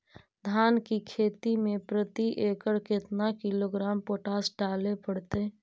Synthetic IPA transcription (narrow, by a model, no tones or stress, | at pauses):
d̪ʱaːnkikʰeːt̪imẽpɾət̪iʔekəɾkɪt̪nakɪloɡɾaːmpoʈaːsɖaːlepəɽt̪e